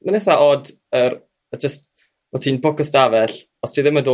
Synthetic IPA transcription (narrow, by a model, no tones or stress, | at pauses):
manɛθaʔɔd | ər | əd͡ʒəst | vɔtʰiːnbɔkəstavɛɬ | ɔstʰiðɪmado